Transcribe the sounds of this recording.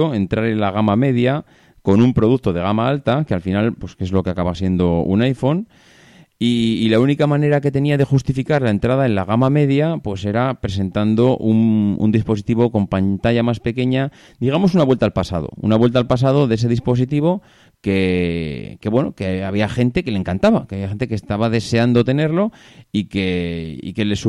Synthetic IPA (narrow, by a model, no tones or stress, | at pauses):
oe̞nt̪ɾaɾe̞nlaɣamame̞ðja | ko̞numpɾo̞ðuk̚t̪o̞ðe̞ɣ̞amaalt̪akealfinalpwo̞skezlo̞keakaβasje̞nd̪o̞ṵnajfo̞n | iːlaunikamãne̞ɾake̞t̪e̞niaðe̞xust̪ifikaɾlae̞nt̪ɾað̞ae̞nla̰ɣ̞amame̞ðjapwe̞se̞ɾapɾe̞s̬e̞nt̪and̪o̞ʔunṵnd̪ispo̞s̬it̪iβo̞ko̞mpant̪aʝamaspe̞ke̞ɲa | d̪iɣ̞amo̞sunaβwelt̪aːlpasa̰ð̞o̞̰ṵnaβwe̞lt̪aːlpas̬að̞o̞ðees̬e̞ðispo̞sit̪iβ̞o̞ | ke̞ | ke̞βwe̞no̞̰keaβiaxe̞nt̪e̞keleŋkant̪aβakeaβiaxent̪ekest̪aβaðe̞se̞and̪o̞t̪e̞ne̞ɾlo̞ | ike̞ḭke̞le̞su